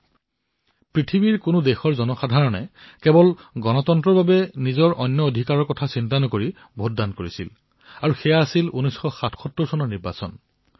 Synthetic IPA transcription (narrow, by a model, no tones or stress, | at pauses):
pɹitʰibiɹkʊnʊdexɔɹzɔnɔxadʱaɹɔnɛ̰kɛbɔlɡɔnɔtɔntɹɔɹbabɛnizɔɹʔɔjnjɔodʱikaɹɔɹkɔtʰasint̬anɔkoɹi | bʱoddankoɹisḭl | aɹuxɛjaːsilunɔjsxɔxatʰxɔtːɔɹsɔnɔɹniɹba̰sɔ̰n